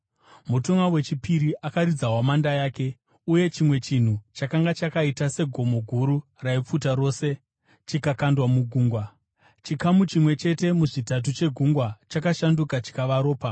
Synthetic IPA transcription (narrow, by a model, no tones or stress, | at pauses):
mutoŋawe̞t͡ʃipiɾiʔakaɾid͡zaɦwamandajaːke̞ | uje̞t͡ʃimwe̞t͡ʃin̤ut͡ʃakaŋɡat͡ʃakaitase̞ɡʱo̞mo̞ɡʱuɾu | raip͡futaɾo̞ːse̞ | t͡ʃikakandwamuɡʱuːŋɡwa | t͡ʃikamut͡ʃimwe̞t͡ʃe̞te̞muʐitat̬ut͡ʃe̞ɡʱuŋɡwat͡ʃakaʃandukat͡ʃi̥kaʋaɾo̞ːpa